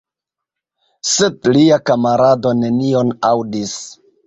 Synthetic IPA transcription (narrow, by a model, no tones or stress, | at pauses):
sedliakamaɾado̞ne̞nio̞nawdis